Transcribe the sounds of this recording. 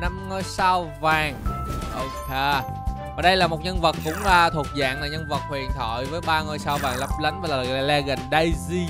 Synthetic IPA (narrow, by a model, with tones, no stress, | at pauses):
na˧mŋo˧jsaː˧wvaː˨˩ŋʔo˧wke˧ | vaː˨˩ɗə˧jlaː˨˩mo˨˩t̚ɲə˧nvə˨˩t̚kʊ̰˧˥ŋ͡maː˨˩t̪ʰu˨˩ət̚za̰ː˧˨ŋlaː˨˩ɲə˧nvə˨˩t̚hwi˨˩ənt̪ʰɔ̰˧˨jvəː˨˦jɓaː˧ŋoː˧jsaː˧wvaː˨˩ŋlə˦˥p̚lə˨˦jŋvaː˨˩ləː˨˩˧lɛ˧ɣə˨˩ŋɗə˧jzi˧